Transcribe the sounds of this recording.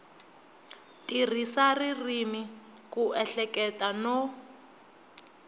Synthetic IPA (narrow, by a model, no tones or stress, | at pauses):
tʼir̤isaririmikuɛɬɛkɛtanɔ